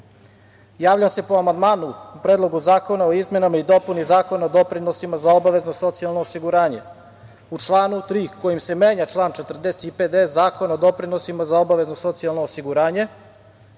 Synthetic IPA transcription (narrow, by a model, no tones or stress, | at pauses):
jaːʋʎase̞poamand̪maːnuːpɾeːd̪lˠoɡuzaːko̞naoizme̞namaid̪o̞punizaːko̞naod̪o̞pɾinosimazaobaʋe̞znoso̞t̪sialˠnoːsiɡuɾaːɲe̞ | ut͡ʂlˠaːnut̪ɾiːko̞jimse̞meːɲat͡ʃlˠaːnt͡ʃet̪r̩d̪eset̪iped̪ezaːko̞naod̪o̞pɾinosimazao̞baʋe̞znoso̞t̪sijalˠnoːsiɡuɾaːɲe̞